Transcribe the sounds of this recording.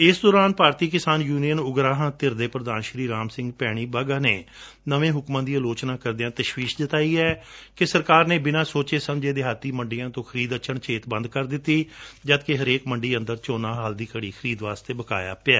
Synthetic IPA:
ɪsd̪ɔːɾaːnpaːɾt̪iːkɪsaːnjuːnijənʊɡɾaːɦãːt̪ɪɾd̪eːpɾəd̪aːnʃɾiːɾaːmsɪ̃ŋɡpɛːɽ̃iːbaːɡaːneː | nəʋẽːɦʊkmãːd̪iːaloːt͡ʃnãːkəɾd̪ɪjãːt̪əʃwiːʃd͡ʒ̪ɪt̪aːiːɛːkɪsəɾkaːɾneːbɪnãːsoːt͡ʃeːsəmd͡ʒeːd̪eːɦat̪ːiːməɳɖijãːt̪õːkʰəɾiːd̪ət͡ʃʰəɳt͡ʃʰeːt̪bə̃nd̪̚kəɾd̪ɪt̪ːiːd͡ʒət̪keɦəɾeːkməɳɖiːə̃nd̪əɾt͡ʃoːnãːɦaːld̪iːkəɽiːkʰəɾiːd̪ʋaːst̪eːbəka̰ːja̰ːpɪaː

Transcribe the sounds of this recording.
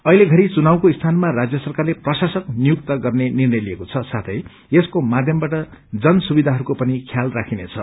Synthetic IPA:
ʌileɡʱʌɾit͡sunawkoist̪ʰanmarad͡zjʌsʌrkarleprʌsasʌknijuk̚t̪ʌɡʌrnenirnʌjliekot͡sʰʌsat̪ʰʌj | eskomad̪ʱjʌmbaʈʌd͡zʌnsubid̪ʱaɦʌɾukopʌnikʰjalrakʰinet͡sʰʌ̰

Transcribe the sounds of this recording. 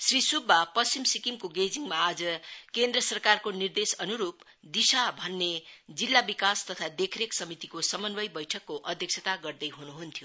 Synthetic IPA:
srisubːapʌsimsikimkoɡed͡ziŋmaːd͡zʌkend̪rʌsʌrkarkonird̪esʌnuɾup | d̪isabʱʌnːed͡zilːabikast̪ʌt̪ʰad̪ekʰɾeksʌmit̪ikosʌmʌnbʌjbʌjʈʰʌkːoʔʌd̪ʱjʌk̚t͡sʰʌt̪aɡʌrd̪ʌjɦunuɦunt̪ʰjo

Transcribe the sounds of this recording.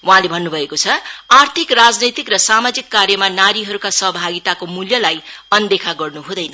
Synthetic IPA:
waɦãlebʱʌnːubʱʌekot͡sʰʌart̪ʰikrad͡znʌjt̪ikrʌsamad͡zikːaɾjʌmanaɾiɦʌɾukasʌɦʌbʱaɡit̪akomuljʌlaj | ʌnd̪ekʰaɡʌrnuɦũd̪ʌjnʌ

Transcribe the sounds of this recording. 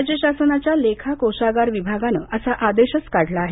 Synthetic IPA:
d͡ʑeɕasənat͡ɕjalekʰakoɕaɡaɾʋibʱaɡanə̰ʔəsaʔad̪eɕət͡skaɽlaːɦ

